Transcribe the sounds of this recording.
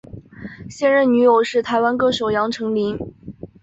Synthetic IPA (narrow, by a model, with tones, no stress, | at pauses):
ɕjɛ˥˧nɻə˥˩nny˧˥jo˨˩ʊʂɻ̩˥˩t̪ʰa˧˥ɪwa˥nkɤ˥ʂo˨˩ʊjɑ˧˥ŋʈ͡ʂʰɤ˧˥ŋli˧˥ŋ